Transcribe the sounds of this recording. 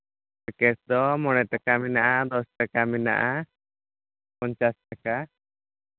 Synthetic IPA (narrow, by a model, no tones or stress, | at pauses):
kɛsd̪ɔmɔɽ̃ɛt̪akaminaʔad̪ɔsʈakamina̰ʔa | pɔɲt͡ʃasʈaka